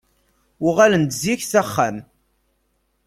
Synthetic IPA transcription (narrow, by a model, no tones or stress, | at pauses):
ʊʁalənd̪ziçθæχːam